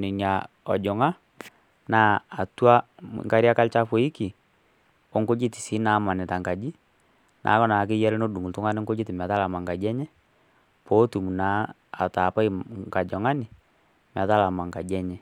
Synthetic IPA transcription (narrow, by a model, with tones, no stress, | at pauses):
nɪ˨ɲa˨ɔ̰˨d͡ʒɔ˨ŋa˦ | naː˦a˨twa̰˦˨ŋka˦ɾja˦ka˦lt͡ʃa˦fo˨i˦ki˨ | ɔ˨˦ŋko˦d͡ʒi˦ti̥˨si˨˦naː˨˦ma˨nɪ˨ta˨ŋka˨d͡ʒi˦ | nʔa̰ː˨˦kɔ˦na˨k̬ɪ˦jɛ˦lno˦du˨ŋu˨ltʊ˦ŋa˦nɪ˦ŋɡo˦d͡ʒi˦tɪ˨m˨a˨ta˦la˨ma˨ŋɡa˨d͡ʒɛ˦ɲɛ˦ | pɔ˨˦tu˨mu˨na̰ː˨˦˨ | ta˨pa˦i˦ŋka˨d͡ʒɔ˨ŋa˦nɪ˨ | m˨a˨ta˦la˨ma˨ŋka˨d͡ʒɛ˦ɲɛ˦